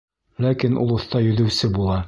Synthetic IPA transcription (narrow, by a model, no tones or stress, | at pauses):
lækinṵlˠŏθt̪ɑjɵ̆ðɘ̆wsɘbulˠɑ